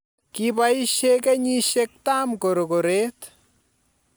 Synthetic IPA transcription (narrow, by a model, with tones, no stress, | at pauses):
kiba˦i˦ʃekɛ˦ɲi˦ʃe˦k̚ta˦mko˨ɾo˨ko˨ɾe˦t